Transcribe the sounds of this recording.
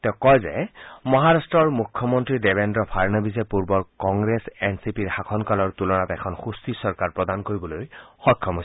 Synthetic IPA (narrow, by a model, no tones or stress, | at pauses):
tɛʊkɔjzɛmɔɦaɹastɹɔɹmukʰːjɔmɔntɹidebendɹɔpʰaɹnɔbizɛpuɹbɔɹkɔŋɡɹesɛnsipiɹxakʰɔnkalɔɹtulɔnatɛkʰɔnxustisɔɹkaɹpɹɔdankoɹibɔlojxɔkʰːɔmɦos